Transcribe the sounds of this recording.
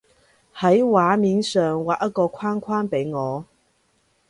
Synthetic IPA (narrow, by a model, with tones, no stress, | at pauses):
hɐ˨˥jwaː˨˥mi˨˥nsœː˨˩ŋwa˨˩ʔɐ˥t̚kɔː˧kʰwaː˥nkʰaː˥npe˨˥˦jŋɔː˨˧